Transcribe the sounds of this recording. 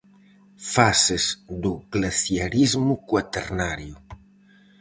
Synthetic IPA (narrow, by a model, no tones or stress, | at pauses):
fasezd̪uɡ̥laθjaɾizmukwat̪ernaɾju